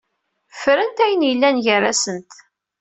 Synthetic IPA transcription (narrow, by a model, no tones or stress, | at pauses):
fɾənt̪æjənjəlːænʝərːæsənt̪